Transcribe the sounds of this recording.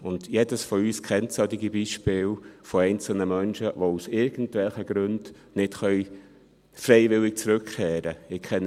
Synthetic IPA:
ʊndjedəsfoyːskʰɛntsœdɪɡibiːʃpɪːlfoɛɪnt͡sl̩nəmœnʃəʋousɪɾɡ̥ən̩tvɛlχəɡ̥ɾʉnd | nɪtχœʏ | fɾɛɪvɪlɪk̚t͡sɾʉkχɛːɾəɪkʰɛn

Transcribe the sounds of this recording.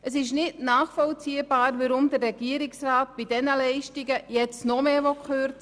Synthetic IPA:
əsɪʃnɪdnaːχfɔlt͡siːəbaːɾvəɾʊmd̪ərːɛɡiəɾɪksraːt̚b̥idɛnəlɛɪʃtiɡəjɛt͡snɔmeːʋɔkʰχøɾt͡st͡s

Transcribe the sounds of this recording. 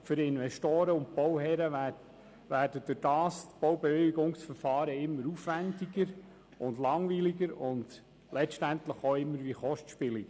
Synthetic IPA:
fʏɾɪnʋɛstoːɾəʊnt̚pɔwɦɛɾə | ʋæːrd̥əd̥ʊɾd̥ɑːstb̥ɔwbɛʋɪliɡʊŋsfəɾfɑːɾəɪmːəɾufʋændiɡəɾ | ʊndlɑŋʋiːliɡəɾʊnd | lɛʃtænt̪ləχoɪmːəɾʋiχɔʃtʃpɪliɡ

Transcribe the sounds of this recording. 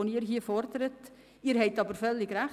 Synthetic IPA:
oniːɾɦiːəfɔrdəɾət | iːɾɦɛɪtɑːbəɾfœlːɪɡræ

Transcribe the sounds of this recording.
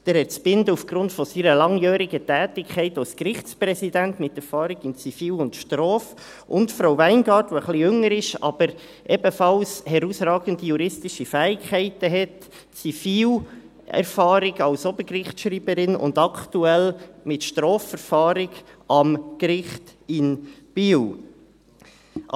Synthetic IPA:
d̥ɛːɾhɛt͡spɪndəufɡ̥ɾʊntfɔsiːɾəlɑŋjœːɾɪɡətɛːtɪkʰχɛɪtalskɾɪχt͡spɾɛsidæntmɪtɛɾfɑːɾɪɡ̥ɪnt͡sifiːlʊntʃtɾɔːf | ʔʊntfɾowvæɪnɡɑːɾtʋoəχlijʏŋəɾɪʃɑ̰bəɾ | ʔɛbəfɑlshɛɾusɾɑːɡən̩dijuɾɪstɪʃifæːɪkχɛɪtəɦɛt | t͡sifiːl | ɛ̰ɾfɑːɾɪɡɑlsɔbəɾkrɪχtʃɾiːbəɾɪnʊ̰nd̪ɑkʰtuɛlmɪtʃtɾɔːfɛɾfɑːɾɪɡɑmkɾɪχtɪnb̥iːw

